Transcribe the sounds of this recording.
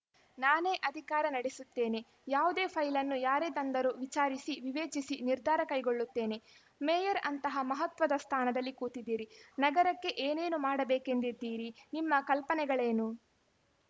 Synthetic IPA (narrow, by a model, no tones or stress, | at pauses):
naːne̞ːʔɐd̪ʱikaːɾɐnɐɽesut̪ːe̞ːne̞ | jaːʋud̪e̞ːpʰɐjlɐnːujaːɾet̪ɐnd̪ɐɾuʋit͡ʃaːɾisiʋiʋe̞ːt͡ʃisiniɾd̪ʱaːɾɐkɐjɡoɭːut̪ːe̞ːne̞ | mejɐɾɐ̰nt̪ɐɦɐmɐɦɐt̪ʋɐd̪ɐst̪ʰaːnɐd̪ɐlːikuːt̪id̪ːiːɾinɐɡɐɾɐkːe̞ʔeːne̞ːnumaːɽɐbeːke̞nd̪id̪ːiːɾinimːɐkɐlpɐnɛɡɐɭe̞ːnu